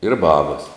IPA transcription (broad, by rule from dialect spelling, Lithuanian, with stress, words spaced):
ɪr ˈbɑːbɐs